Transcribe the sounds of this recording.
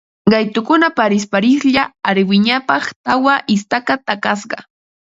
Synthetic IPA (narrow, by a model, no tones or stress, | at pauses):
ɢɑjt̪ʊkʊnapaɾɪs̬paɾɪsʎaːɾɪwɪɲapɑχt̪awaʔɪst̪akat̪akɑs̬ɢɑ̰